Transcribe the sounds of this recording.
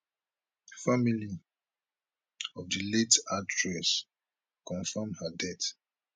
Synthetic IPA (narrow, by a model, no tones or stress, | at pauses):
famili | ɔvdəletadɹɛs | kɔ̃nfamdhədɛt